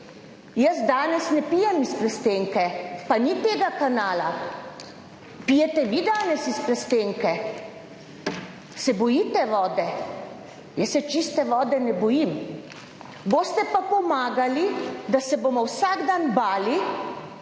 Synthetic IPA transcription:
jəzd̪aːnɛsnɛpiːjɛmispɾɛst̪eŋkɛpanit̪eːɡakanaːla | pijɛt̪ɛʋid̪aːnɛsispɾɛst̪eːŋkɛ | sɛbɔjit̪ɛʋɔːd̪ɛ | jəsːɛt͡ʃist̪ɛʋɔːd̪ɛnɛbɔjim | boːst̪ɛpapɔmaːɡalid̪asɛbomɔwsaɡd̪anbaːli

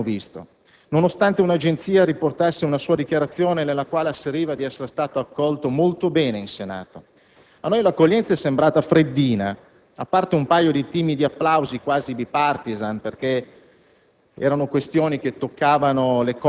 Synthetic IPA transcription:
vist̪o̰ | nonost̪ant̪eunad͡ʒent̪siːaɾiport̪asːeunasuːad̪ikjaɾat̪sːjoːnenelːakwaːleasːeɾiːvad̪iɛsːeɾest̪aːt̪oakːɔlt̪omolt̪obɛːneinsena̰ːt̪o | anːojlakːoʎːɛnt̪saɛsːembɾaːt̪afɾed̪ːiːna | apːart̪eumpajod̪it̪iːmid̪iapːlawzikwaːzid̪ipart̪izanperke | ɛ̰ːɾanokwest̪joːnik̟et̪ːokːaːvanolek

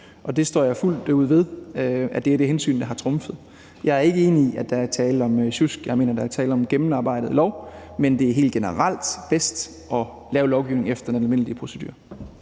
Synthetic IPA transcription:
ʔɒ̽d̥e̝sd̥ɒ̰ːjɑ̈ɪful̰d̥uð̞̰ˠʋe̝ð̞ˠæd̥eæɐd̥e̝ɦensy̰ːnd̥ɑ̈ɦɑ̈t͡sʰʁɔ̽mfð̩ˠ | jɑ̈ɪɐe̝ɡ̥əe̝ːniiʔæd̥ɑ̈æɐt͡sʰɛːlð̩ɒ̽mɕusɡ̥jɑ̈ɪe̝̰ːnɐd̥ɑ̈æɐt͡sʰɛːl̩ˠɒ̽mɡ̥emn̩ɑ̈ːb̥ɑ̈ɪ̰d̥ð̩ˠlɒʊmend̥e̝æɐɦe̝̰ːld̥ɡ̥enəʁɑal̰d̥b̥esd̥ | ɒ̽ | lɛːʊlɒʊɡ̥iʊne̝ŋefd̥ɐe̥nenælme̝n̰lipʰʁo̝sed̥y̰ːɐ

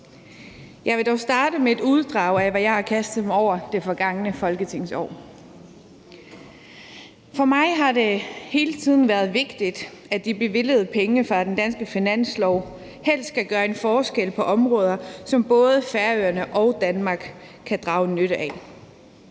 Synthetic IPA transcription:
jɑ̈ɪʋe̝d̥ɒʊsd̥ɑ̈ːɾəmee̝d̥uð̞ˠd̥ʁɑ̈ʊ̰æʋæjɑ̈ɪhɑ̈kʰæsd̥emɒʊ̰ɐd̥e̝fɒ̽ɡ̥ɑ̈ŋənəfɒ̽lɡ̥ət͡sʰe̝ŋ̰sɒ̰ː | fɒ̽mɑ̈ɪɦɑ̈d̥e̝he̝ːlət͡sʰið̞̰ˠn̩ʋæːɐð̞ˠʋe̝ɡ̥d̥id̥æd̥ib̥e̝ʋe̝l̰əð̞̩ˠpʰeŋəfʁɑ̈d̥end̥ænsɡ̥əfinæn̰slɒʊ | hel̰sdkæɡ̥ɶːɐe̝nfɒːsɡ̥el̰pʰɒ̽ʔɒ̽mʁɔ̽ːð̞ˠɐsɒ̽mb̥ɔ̽ːð̞ˠəfæɐøːɐnəʔɒʊd̥ænmɑ̈ːɡ̥ | kʰːæd̥ʁɑ̈ʊnøɾəʔɛ

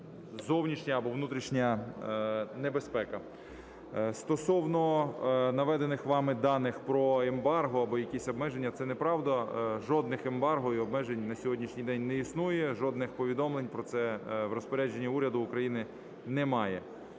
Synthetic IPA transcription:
zɔwnʲiʃnʲɐɐbɔʋnut̪ɾʲiʃnʲɐ | nebespɛkɐ | st̪ɔsɔwnɔnɐʋɛd̪enɪxʋɑmɪd̪ɑnɪxpɾɔembɑrɦɔɐbɔjɐkʲisʲɔbmɛʒenʲːɐt̪sɛnɛpɾɑwd̪ɐʒɔd̪nɪxembɑrɦɔjiɔbmɛʒenʲnɐsʲɔɦɔdʲnʲiʃnʲijd̪ɛnʲnɛisnujɛʒɔd̪nɪxpɔʋʲid̪ɔmlˠenʲpɾɔt̪sɛʋrɔspɔɾʲad͡ʒenʲːiuɾʲɐd̪ʊːkɾɐjinɪ | nɛmɑjɛ

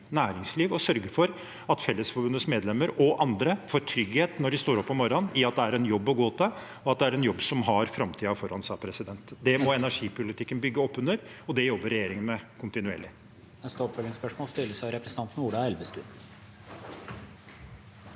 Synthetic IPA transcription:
næːɾɪŋsliːʋɔsœɾɡəfɔɾ | ɑt̪fɛlːəsfɔɾbʉnəsmeːd̪lɛmːəɾɔʔɑnd̪ɾəfɔɾʈʰɾʏɡheːt̪nɔɖɪst̪oːɾɔpːɔmɔɾɑnɪɑt̪̚d̪ɛæɾɛnjɔbːɔɡoːt̪ʰə | ɔɑt̪̚d̪ɛæɾɛnjɔbːsɔmɦɑɾfɾɑmt̪ʰiːɑfɔɾhɑnsɑːpʰɾɛsɪd̪ɛnt̪d̪ɛmɔɛnæʂiːpʊlɪt̪ʰɪkːənbʏɡːəɔpːʉnəɾɔd̪ɛjɔbːəɾɛjeːɾɪŋənmɛkʰʊnt̪ɪnʉḛːɭɪ | ɛst̪opfœlɪŋspœʂmoːlst̪ɪlːəsæʋɾɛpɾɛsənʰɑnt̪n̩uːɖɑɛlʋəst̪ʉ̰

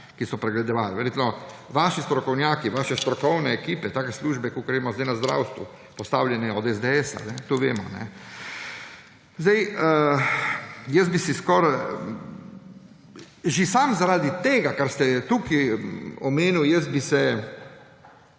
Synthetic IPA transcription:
kisɔpɾɛɡlɛd̪ɔʋaːliʋɛɾʲjeːt̪mɔ | ʋaːʃist̪ɾɔkɔwnjaːkiʋaːʃɛst̪ɾɔkɔwnɛːkiːpɛt̪aːkɛsluːʒbɛkukɡɾemɔzd̪ɛjnazd̪ɾa̰wst̪ʋṵ | pɔst̪awljɛnɛɔd̪ɛzd̪eɛsa̰nɛt̪uʋeːmɔ̰nɛ̰ | zd̪ajə | jɛz̚bisiskɔɾ | ʒisamzaɾaːd̪it̪eːɡakaɾst̪ɛt̪ukiɔmeːniwjɛsbisɛ

